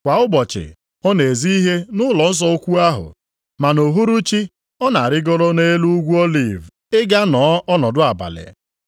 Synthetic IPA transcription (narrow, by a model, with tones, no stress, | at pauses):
kʷa˨ʊ˦bɔ˨t͡ʃɪ̰˨ | ɔ˦ne˨zi˦i˦ɦe˦nʊ˦lɔ˨n̩˦s̬ɔ˦o˦kʷu˦a˦ɦʊ̰˨ | ma˨no˨ɦu˦ɾu˦t͡ʃi˦ | ɔ˦na˨a˨ɾɪ˦ɡɔ˦ɾɔ˦ne˦lu˦ɡʷu˦o˦lḭ˨v | ɪ˦ɡa˦nɔː˨˦ɔ˦nɔ˨dʊ˦a˨ba̰˨lḛ˨